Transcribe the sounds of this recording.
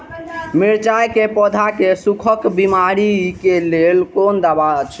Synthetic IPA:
miɾt͡ʃajkepɔd̪ʱakesukʰəkbimaɾikelelkond̪abat͡ʃʰ

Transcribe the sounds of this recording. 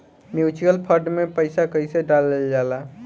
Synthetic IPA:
mjut͡ʃiəlpʰəɾɖmepəɪjsakəjseɖalːeld͡ʒala

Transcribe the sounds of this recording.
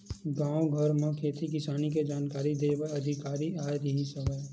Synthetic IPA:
ɡãːwɡʱɐɾmẽkʰeːt̪ʰik̬ɪsaːnik̬ed͡ʒaːnkaːɾid̪eːʋaɐd̪ʱɪkaːɾiaːjɾɐɦĩsɐʋa

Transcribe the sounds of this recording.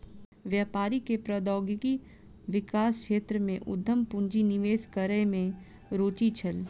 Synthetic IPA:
ʋjaːpaːɾikepɾɐd̪ɔːɡɪki | ʋɪkaːskʃeːt̪ɾəmẽʔʊd̪ʱːəmpʊ̃ɲd͡ʒinɪʋeːskəɾemẽ | ɾoːt͡ʃit͡ʃʰɐl

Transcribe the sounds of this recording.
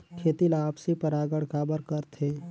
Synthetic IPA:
kʰeːt̪ilaːpsepəɾaːɡəɽkaːbəɾkəɾt̪ʰẽ

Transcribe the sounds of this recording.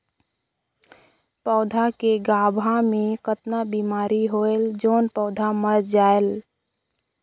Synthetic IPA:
pəʊd̪ʱakeɡabʱamekət̪nabimaɾiɦoeld͡ʒoːnpəʊd̪ʱaməɾd͡ʒael

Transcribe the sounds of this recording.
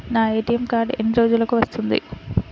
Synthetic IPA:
naːe̞ːʈijɐmkaːɾɖenːiɾo̞ːd͡ʒulɐkuʋɐst̪und̪ḭ

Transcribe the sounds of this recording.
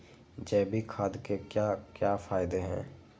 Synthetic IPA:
d͡ʒɛːbʱikʰaːd̪kekjakjaːfaːɪd̪eɦɛ̰̃ː

